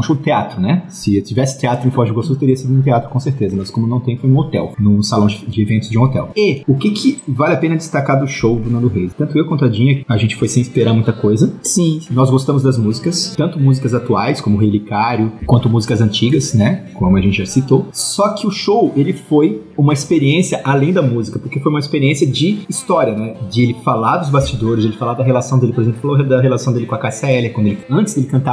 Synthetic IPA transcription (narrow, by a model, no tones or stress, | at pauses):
ɛ̃ʃowd͡ʒɪt̪eat̪ɾʊnɛsɪt͡ʃivɛsɪ̥t̪eat̪ɾʊẽfɔʒuɡosut̪eɾiɐsid̪ʊũt̪eat̪ɾʊkõseɾt̪ezɐmɐskõmʊnɐ̃w̃t̪ẽj̃fojũot̪ɛ̰wnʊ̃salɐ̃w̃d͡ʒɪd͡ʒɪevẽnt̪ʊzd͡ʒɪũot̪ɛ̰weʊkɪkʰɪvalɪapẽnɐd͡ʒɪst̪akaɾd̪ʊʃowd̪unɐ̃nd̪ʊɦejzɪt̪ɐ̃nt̪ʊewkõnt̪ʊad͡ʒĩɲɐaʒẽnt͡ʃɪ̥fojsẽj̃ispeɾaɾmũj̃t̪ɐkojzɐsĩnɔzɡost̪ɐ̃mʊzd̪ɐzmuzikɐst̪ɐ̃nt̪ʊmuzikɐzat̪uajskõmʊɦelikaɾjʊkwɐ̃nt̪ʊmuzikɐzɐ̃nt͡ʃiɡɐsnɛkõmmʊɐʒẽnt͡ʃɪʒasit̪osɔkʰɪʊʃowelɪfojũmɐispeɾiẽsiɐʔalẽj̃d̪ɐmuzikɐpoɾkefojũmɐispeɾiẽsiɐd͡ʒɪːst̪ɔɾiɐnɛd͡ʒɪelɪfalad̪ʊzbast͡ʃid̪oɾɪzd͡ʒelɪfalad̪ɐɦelasɐ̃w̃d̪elɪpoɾezẽplʊfaloɐed̪ɐɦelasɐ̃w̃d̪elɪkõɐkasɛljɐkwɐ̃nd̪ʊelɪɐ̃nt͡ʃɪz̥d̪elɪkɐ̃nt̪a